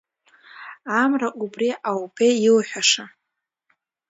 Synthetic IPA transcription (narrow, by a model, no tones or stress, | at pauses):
amraʔubriʔawbʰeilħʷᶣaʂa